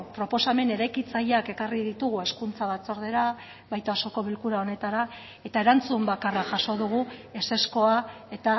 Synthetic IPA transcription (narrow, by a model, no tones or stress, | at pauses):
pɾo̞po̞same̞ne̞ɾajkit͡saʎake̞kariðit̪uɣue̞skunt͡saβ̞at͡so̞ɾð̞e̞ɾa | βajt̪oaso̞ko̞βilkuɾao̞ne̞t̪aɾa | e̞t̪ae̞ɾant͡sumbakaraʝaʃo̞ðuɣ̞ue̞se̞sko̞a | e̞t̪a